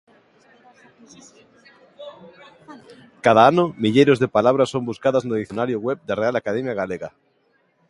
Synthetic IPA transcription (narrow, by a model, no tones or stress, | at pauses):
kaðaanʊmiʎejɾozðepalaβɾasõmbuskaðaznoðiθjonaɾjʊɣwɛβ̚d̪arealakaðɛmjaɣaleɣa